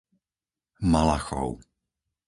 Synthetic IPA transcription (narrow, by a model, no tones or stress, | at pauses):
malaxɔ̰ʊ